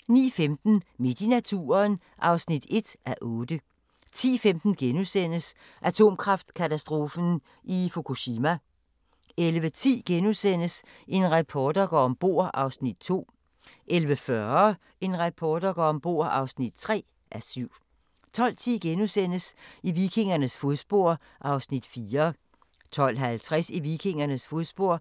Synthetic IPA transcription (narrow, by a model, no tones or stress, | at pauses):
nḭːfemd̥n̩med̥inæt͡sʰṵːɐn | ʔɑ̈ʊsnid̥e̝d̥ʔæʔɔ̽ːd̥ə | t͡sʰḭːfemd̥n̩ɡ̥enusen̰əs | ʔæt͡sʰo̝̰ːmkʰʁɑ̈fd̥kʰæt͡sʰæsd̥ʁo̝ːfn̩ | ʔifo̝kʰuɕimæ | elʋət͡sʰḭːɡ̥enusen̰əse̝nʁɑpʰɒːd̥ɐɡ̥ɒ̰ɒ̽mb̥o̝̰ːɐ̰ʔɑ̈ʊsnid̥̚t͡sʰo̝̰ː | ʔelʋəfɶɐ | e̝nʁɑpʰɒːd̥ɐɡ̥ɒ̰ːɒ̽mb̥o̝̰ɐ̰ɑ̈ʊsnid̥̚t͡sʰʁɛ̰ː | ʔæsyʊ̰ | t͡sʰɒ̽l̰t͡sʰḭːɡ̥enusen̰əsiʋikʰe̝ŋɐnəsfoðˠsb̥o̝ɐ̰ | ʔɑ̈ʊsnid̥fiːɐ | t͡sʰɒ̽l̰ɦælt͡sʰʁasiʋikʰe̝ŋ̰ɐnəsfoðˠsb̥o̝ɐ̰